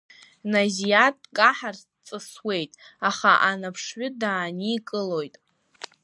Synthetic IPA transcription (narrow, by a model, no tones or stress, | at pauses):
nazijatʼkʼaħar | t͡sʼɨswe̞jtʼaχaʔanapʰʂɥʏdaːniːkʼɨlo̞jtʼ